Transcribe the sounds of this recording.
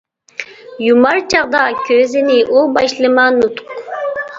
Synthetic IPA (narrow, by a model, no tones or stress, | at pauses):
jumɑɾt͡ʃɑʁd̪ɑkʲʰøziniʔulˠbɑʃlˠɯmɑnut̪q